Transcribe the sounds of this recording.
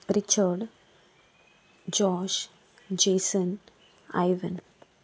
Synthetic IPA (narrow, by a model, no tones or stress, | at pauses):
ɾit͡ʃəɾɖ | d͡ʒɔːʃ | d͡ʒeːsən | a̰jʋən